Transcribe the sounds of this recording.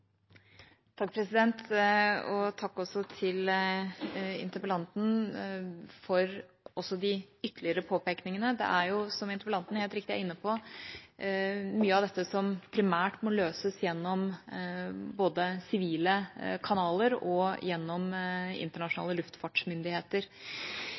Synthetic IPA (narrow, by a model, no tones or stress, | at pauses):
t̪ʰɑk̚ːpʰɾɛsɪd̪ɛnt̪ | ɔt̪ʰɑkːɔsːɔt̪ʰɪl | ɪ̰nt̪əpəlɑnt̪n̩ | fɔɾ | ʔɔsːɔd̪ɪʏt̪ːəlɪəɾəpʰoːpeːknɪŋənəd̪ɛ̰ʔæɾjʊsɔmɪnt̪əɾpəlɑnt̪n̩heːlɾɪkt̪ɪæ̰ɾɪnːəpʰɔ | myːəɑʋd̪ɛt̪ːəsɔmpʰɾɪmæːʈmɔløːsəsjɛnːɔm | boːd̪əsɪʋiːləkʰɑnɑːləɾɔjɛnːɔmɪ̰nt̪əɳɑʂnɑ̰ːləlʉft̪fɑʈʂmʏnd̪ɪheːt̪əɾ